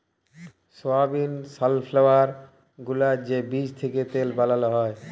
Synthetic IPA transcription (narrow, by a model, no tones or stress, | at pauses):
soabinsalfʰlawaɾ | ɡulad͡ʑebid͡ʑt̪ʰeket̪elbalalɔɦɔe